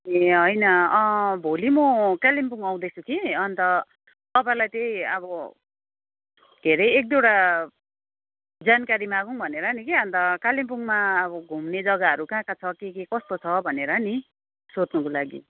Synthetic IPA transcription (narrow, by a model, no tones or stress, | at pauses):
eɦʌjnʌʌbʱolimʌkalimpuŋaw̃d̪ʌjt͡sʰukʰiʌnt̪ʌ | t̪ʌpãlajt̪eĩʌbʌ | d̪ʱeɾʌjek̚d̪eɽa | d͡zankaɾimaɡuŋbʱʌneɾʌnikeʌnt̪ʌkalimpuŋmaːbʌɡʱumned͡zʌɡaʌɾukãːkat͡sʰʌkekekʌst̪ot͡sʰʌbʱʌneɾʌni | sot͡snʌkolaɡḭ